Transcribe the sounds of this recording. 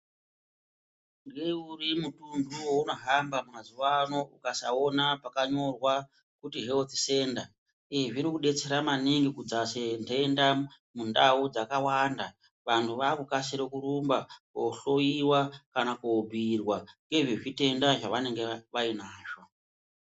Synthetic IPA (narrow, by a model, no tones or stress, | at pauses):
ŋɡeurimutunduwouno̞ɦambamumazuʋano̞ukasao̞napakaɲo̞rwa | kutiɦe̞lt̪i̥se̞nda | iʐiɾikuɗe̞t͡se̞ɾamaniŋɡikud͡zasentʰenda | mundaud͡zakawanda | ʋantʰuʋakukasiɾokuɾumbakoɬoiwakanakobʱirwaŋɡe̞ʐiʐite̞ndaʐaʋane̞ŋɡeʋainaːʒo